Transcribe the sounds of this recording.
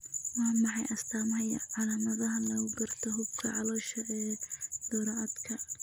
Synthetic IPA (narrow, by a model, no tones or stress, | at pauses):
wɑːmɑħɑ̰jʔɐst̪ʰaːmɐjɐ̰ʕɑlaːmɐðɐɦɐlɐɣʊɡɐrt̪ʰɔɦʊbkʰɐʕɑlɔːʃɐʔɛːd̪̥ɔːɾɐʔɐd̪kʰɐ